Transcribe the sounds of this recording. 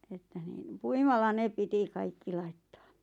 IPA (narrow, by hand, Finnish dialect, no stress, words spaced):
etːæ niːn puimɑlːɑ ne piti kɑikːi lɑitːɑ̥ː